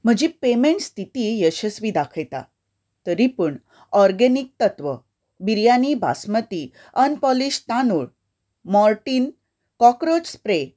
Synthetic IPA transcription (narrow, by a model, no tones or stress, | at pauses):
m̤əd͡ʑipemẽɳʈst̪ʰit̪ijəɕəsʋiːd̪akʰəjt̪a̰ | t̪əɾipəɳ | ɔɾɡenik̚t̪ət̪ʋə | biɾjanibʱa̰smət̪i | ənpɔliɕt̪anuɭ | mɔɾʈiːn | kɔkɾod͡ʑspɾe